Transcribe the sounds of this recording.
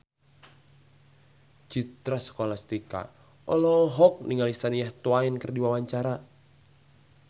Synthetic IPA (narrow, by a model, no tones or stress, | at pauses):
t͡ʃit̪ɾasə̥kolast̪ika̰ | ɔlɔɦɔk̚niŋalisanijaht̪oainkərdiwawaɲt͡ʃaɾa